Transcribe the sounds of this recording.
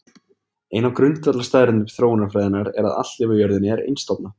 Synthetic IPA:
ejnawkɾʏnt̪at̪last̪aːðɾɪnʏmθɾoːwɪnaɾfɾaːjðɪnaɾɛ̰ɾa̰ða̰t̪t̪ɪvʏjœɾðɪnɛɾḛjnst̪ɔpna

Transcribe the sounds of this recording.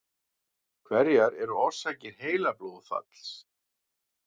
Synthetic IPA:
kʰvɛɾjaɾɛɾʏɔɾ̥sacɪɾ̥ɦeːjlaploːðfa̰t̪l̥s

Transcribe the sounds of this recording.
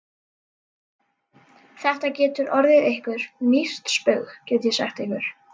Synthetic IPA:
θɛht̪acɛːt̪ʏɾʔɔɾðɪðejhkvʏɾ̥mir̥t̪spœɣɣcɛɾt̪jɛsa̰xt̪ehkvʏɾ̥

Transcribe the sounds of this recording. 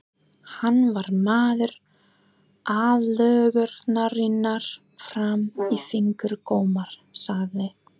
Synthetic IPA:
hanːvaɾmaːðʏɾ | aːðlœːɣʏɾt̪naɾɪnːaɾ̥ | fɾamifiŋkʏɾkoːwmaɾ̥saðɪ

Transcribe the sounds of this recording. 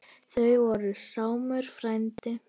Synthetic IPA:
θœɥvɔɾʏsaːwmœɾ̥fɾajnt̪ɪ

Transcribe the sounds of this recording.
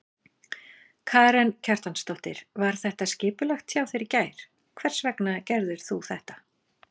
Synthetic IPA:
kʰaːɾɛncʰar̥t̪anst̪ɔht̪ɪ̰ɾ̥vaɾ̥θɛht̪ascɪːpʏlœxt̪ʰjaːwθeɾɪcaːjɾ̥ | kʰvɛr̥svɛknacɛɾðʏɾ̥θuθɛht̪ḁ

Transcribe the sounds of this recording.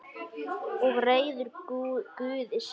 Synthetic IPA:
ɔɣreːjðʏɾkʏːðɪs

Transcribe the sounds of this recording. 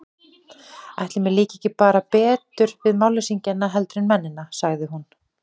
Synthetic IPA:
a̰jht̪lɪmɛliːcɛhcɪpaːɾapɛːt̪ʏɾvɪðmawlɪsiɲcɛnːaɦɛlt̪ɾɪnmɛnːɪnːasaɣðɪɦun

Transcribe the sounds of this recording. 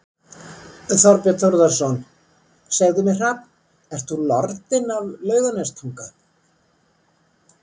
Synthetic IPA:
θɔɾpɛt̪ʰoɾðasɔn | saɣðʏmɪr̥apn | ɛr̥t̪θulɔɾt̪ɪnavlœːɥɣanɛst̪ʰuŋka

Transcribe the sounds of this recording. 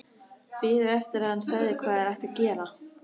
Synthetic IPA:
pɪːɾʏɛft̪ɪɾaðhansaːɣðɪkʰvaːðɛɾajht̪acɛːɾa

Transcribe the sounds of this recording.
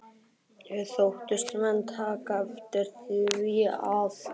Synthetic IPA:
ɛθowht̪ʏst̪vɛnt̪ʰaːkaɛft̪ɪɾ̥θiviav

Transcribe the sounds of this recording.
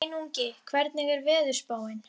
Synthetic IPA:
nuɲcɪkʰvɛɾt̪nɪɣɛɾvɪːðʏ̥spaːwɪn

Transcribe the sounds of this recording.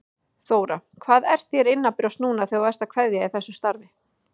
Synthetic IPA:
θoːwɾakʰvaːðɛɾ̥θjɛɾɪnːapɪɾasnuːnaθowvɛɾ̥t̪akʰvɛðjaiθɛsːʏst̪aɾvɪ

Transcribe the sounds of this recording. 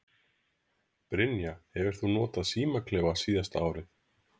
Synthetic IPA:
pɾɪnjahɛvɪɾ̥θunɔːt̪aðsiːmakʰlɛːvasiːðast̪aːwɾɪθ

